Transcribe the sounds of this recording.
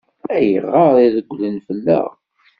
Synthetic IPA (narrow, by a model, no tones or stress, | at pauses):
æjə̰ʁːɑɾˤiðəɡʷːlənfəlːæ̰ʁ